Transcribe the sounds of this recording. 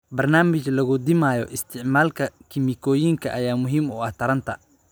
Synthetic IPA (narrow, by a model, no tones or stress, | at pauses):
bɐrnaːmɪt͡ʃlɐɣʊd̪ɪmaːjɔʔɪst̪ʰɪʕmaːlkʰɐkʰɪmɪkʰɔːjiŋkʰɐʔɐjaːmʊɦiːmʊɐht̪ʰɐɾɐnt̪ʰɐ